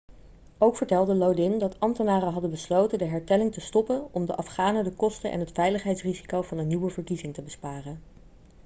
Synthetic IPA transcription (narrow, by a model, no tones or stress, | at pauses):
owkfəɹtɛlˠdəlowdɪndɑtʰɑmtənaːrəɦɑdənbəslowtəndəɦɛɹtɛlɪŋtəstɔpənɔmdəʔɑfχaːnədəkɔstənʔɛ̰nɦətfɛjləχɦɛjtsrizi̥kowvɑnənːiwəvəɹkizɪŋtəbəspaːrən